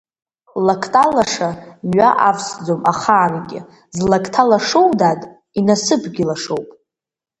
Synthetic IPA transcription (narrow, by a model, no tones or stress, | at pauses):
lakʰtʼalaʂamɥʷaʔafsd͡zomaχaːnɡʲɪ̰ | zlakʰtʰalaʂowdatʼ | inasɨpʰɡʲɪlaʂowpʼ